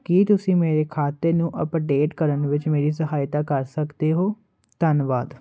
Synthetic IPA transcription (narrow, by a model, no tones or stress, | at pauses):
kit̪ʊsĩːmeːɾeːkʰaːt̪ːəɾnũːʔəpɖeːʈkəɾənʋɪt͡ʃmeːɾiːsəɦaːjt̪aːkəɾsəkd̪eːɦoː | t̪ənʋaːd̪